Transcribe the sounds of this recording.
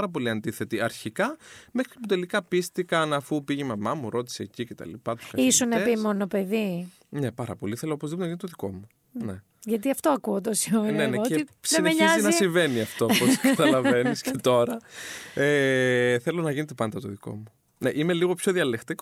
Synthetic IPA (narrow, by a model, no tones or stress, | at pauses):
ɐɾɐp̬o̞liɐnd̪iθe̞t̪iɐɾçikɐmexɾiput̪e̞likɐpist̪ikɐnɐfupiʝemɐmɐmuɾo̞t̪i̥seːcicet̪ɐ̰lḭpɐt̪u̥sɐissunɐepimonopeði | nepɐɾɐ̰po̞liθe̞loopozðiponɐʝint̪oðiko̞mu | ne | ʝɐt̪iɐft̪oɐkuot̪osioneneeismeɲɐznɐisiɱve̞niɐft̪oposkɐt̪ɐlɐve̞niscet̪o̞ɾɐeθelo̞nɐjʝinet̪̬epɐnd̪ɐt̪oðiko̞̰mu | neʔimeliɣo̞pço̞ðiɐlext̪ik